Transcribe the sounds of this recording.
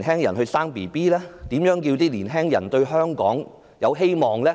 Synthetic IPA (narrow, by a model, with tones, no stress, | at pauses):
nɦɛː˥ŋjɐ˨˩nhɵ˧ɥsaː˥ŋpiː˨˩piː˥lɛː˥t̪iː˨˥mjœː˨˥ŋkiː˧wt̪iː˥liː˨˩nɦɛː˥ŋjɐ˨˩nt̪ɵ˧ɥɦœː˥ŋkɔ̰ː˨˥ŋ | jɐ˨˧wɦe˥jmɔː˨˧ŋlɛː˥